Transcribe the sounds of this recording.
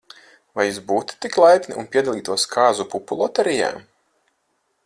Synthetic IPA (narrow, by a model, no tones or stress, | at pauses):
vajusbuːt̪t̪iklˠajt̪nḭunpʲiɛd̪alˠiːt̪uɔskʰaːzupupulˠɔt̪ɛɾija̰ːm